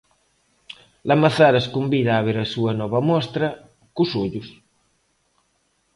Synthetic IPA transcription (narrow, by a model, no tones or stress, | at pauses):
lɐmaθaɾɐskumbiðaːβ̞eɾɐsuɐnɔβɐmɔst̪ɾɐ | kusuʎus